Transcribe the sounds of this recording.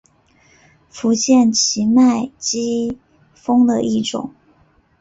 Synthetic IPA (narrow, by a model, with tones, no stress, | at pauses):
fu˧˥t͡ɕjɛ˥˩nt͡ɕʰi˧˥ma˥˩ɪt͡ɕi˥ | fɤ˥ŋd̪ə˨ʔi˥˩ʈ͡ʂʊ̰˨˩˦ŋ